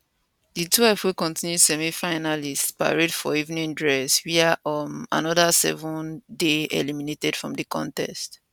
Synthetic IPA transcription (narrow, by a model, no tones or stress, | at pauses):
ditʰwɛlfhukɔ̃ntĩnjudsɛmifaɪnalispa̰ɹedfɔivnĩŋdɹɛswiaʔɔ̃na̰nɔðasɛ̰vũndeɛ̰liminetɛd̥fɹɔ̃mdikɔ̰̃ntɛ̰st